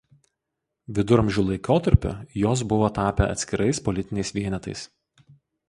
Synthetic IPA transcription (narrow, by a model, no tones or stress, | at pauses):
ʋʲɪd̪ʊɾɐmʲʒʲʊlˠɐɪkoːt̪ɐɾʲpʲʊ̰joːs̬bʊʋoːt̪ɑːpʲɛɐ̰t̪sʲkʲɪɾɐɪspɔlʲɪt̪ʲɪnʲɛɪsʋʲiɛnʲɛt̪ɐɪs